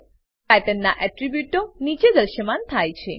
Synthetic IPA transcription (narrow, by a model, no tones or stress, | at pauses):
pɛʈənːaʔɛʈɾibjuʈonit͡ʃed̪əɾʃəmant̪ʰajt͡ʃʰe